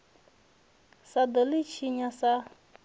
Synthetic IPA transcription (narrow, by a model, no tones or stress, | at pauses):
sad̪əlit͡ɕʰiɲasa